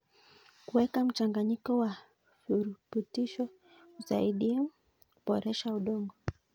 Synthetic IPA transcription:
kuwɛkam̩t͡ʃaŋɡaɲikɔwa | fuɾputiʃɔ | uza̰iɗi | kuɓɔɾɛʃauɗɔŋɡɔ

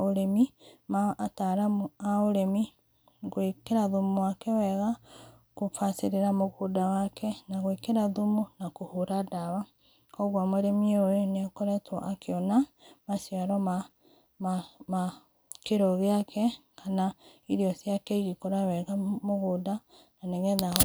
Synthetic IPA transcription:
oɾemimaːtaɾaaoɾemi | ɣwekeɾaðumuwakɛwɛɣa | kofaseɾeɾamoɣodawakʰɛnaɣwekeɾaðumunakohuɾadaβa | kɔɣwamoɾemioenekoɾɛtwɔ̰ʔakeɔna | masjaɾɔa | ma | keɾɔɣeakʰɛkʰanaiɾiɔsjakɛiɣikoɾawɛɣamoɣoda | naneɣɛða

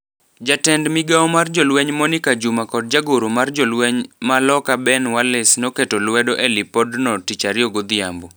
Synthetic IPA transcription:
d͡ʒatɛndmɪɡaɔmard͡ʒɔlwɛɲmɔnikad͡ʒumakɔd̚d͡ʒaɡoɾomard͡ʒɔlwɛɲmalɔkabɛnwalɪsnoketɔlwɛdoʔɛlipɔdnɔtit͡ʃaɾɪoɡod̪ɪa̰mbo

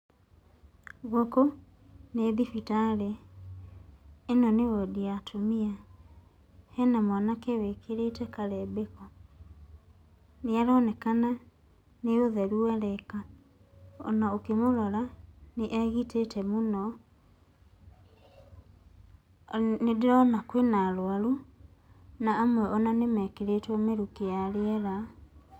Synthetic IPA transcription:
ɣoko | neðifitaɾe | nɔnewɔdiatʰomia | hɛnamwanakɛwekʰeɾetɛkaɾɛbekɔ | neaɾɔnɛkana | neoðɛɾuɛɾɛka | ɔ̰naokemoɾɔɾaneʔɛɣitetɛmonɔ | nedeɾɔnakwenaɾwaɾo | naːmwɛʔɔnanemɛkeɾetwɔmeɾukejaɾeɛɾa

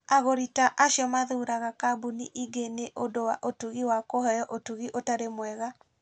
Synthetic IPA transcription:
aɣoɾitaʔaʃjɔmaðuɾaɣakabuniʔiɡeneʔondowaʔotuɣiwakoɦɛjɔʔotuɣiʔotaɾemwɛɣa

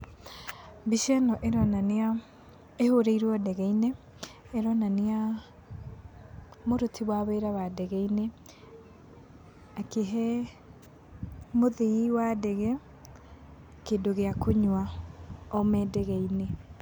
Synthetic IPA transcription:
biʃɛnɔʔeɾɔnana | ehoɾeiɾwɔdɛɣɛineː | ɾɔnanea | moɾotʰiβwaβeɾawadɛɣɛine | akeɦɛ | moðiiwadɛɣɛ | kendoɣeakoɲwa | ɔmɛdɛɣɛine

